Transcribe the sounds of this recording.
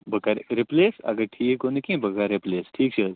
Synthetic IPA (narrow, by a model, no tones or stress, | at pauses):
bʱɐkaɾɾipleːsɐ̰ɡɐʈʰiːekoːnikĩbɐkaɾɾipleːsʈʰiːk̚t͡ʃʰɐ